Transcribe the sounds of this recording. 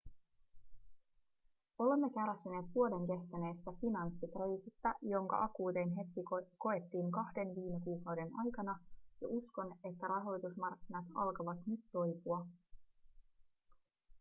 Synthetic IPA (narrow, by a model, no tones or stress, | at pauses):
o̞le̞mːe̞kælæsːyne̞ːt̪ʋuode̞ŋke̞st̪æne̞jst̪æfinɑnsːit̪ojsist̪ɑjo̞ŋkɑ̰ʔɑkuːt̪e̞nɦet̪ːiko̞e̞t̪ːiːŋkɑhde̞nʋiːme̞kuːkɑwde̞nɑjkɑnɑjɑʔusko̞ne̞t̪ːæɾɑɦo̞jt̪usmɑrkːinɑt̪ɑlkɑʋɑt̪nyt̪ːo̞jpuɑ